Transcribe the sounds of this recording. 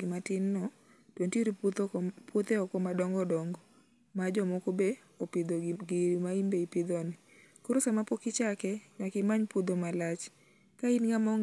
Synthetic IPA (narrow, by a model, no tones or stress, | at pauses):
ɪmatɪnːɔ | tonteɾipwot̪eɔkɔmadɔŋɡɔdɔŋɡɔ | mad͡ʒɔmokobe | opɪd̪oɡiɾimaimbeipɪd̪ɔnɪ | koɾosamapokɪt͡ʃakɛɲwakɪmaɲpud̪omalat͡ʃ | kainŋamɔŋ